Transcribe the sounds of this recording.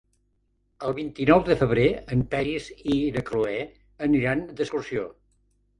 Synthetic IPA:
əlˠβint̪inɔwðəfəβ̞ɾeəmpɛɾizinəkluɛ | əniɾand̪əskursio

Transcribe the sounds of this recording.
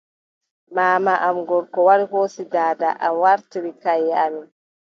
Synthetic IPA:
maːmaʔamɡɔɾkɔwaɾihoːsidaːda̰ʔamwaɾtiɾikajːɛami

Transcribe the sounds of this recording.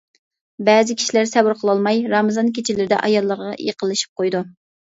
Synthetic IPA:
bɛːzɪkʲʰi̥ʃilæɾsɛbuɾqʰəlˠɑlˠmɑjɾɑmɨzɑnkʲʰet͡ʃʰilɪɾɪd̪ɛ̰ʔɑjɑlˠːəɾʁɑ̰jḛqəlˠːɨʃi̥p̚qʰojd̪u

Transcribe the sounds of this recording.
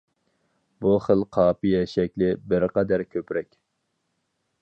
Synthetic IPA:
buχəlˠqʰɑːpijɛʃɛk̚ʲlɪbɪɾqɑd̪æɾkʲʰøpɾɛkʲ

